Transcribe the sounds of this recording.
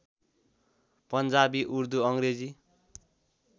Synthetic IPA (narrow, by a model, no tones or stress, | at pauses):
pʌnd͡zabiʔurd̪uʌŋred͡zi